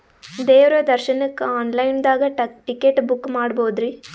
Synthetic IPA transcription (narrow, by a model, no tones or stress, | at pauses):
d̪eːʋɾɐd̪ɐɾʃɐnɐkːaːnlɐjnd̪aːɡɐʈikːeʈbukːmaːɽboːd̪ɾi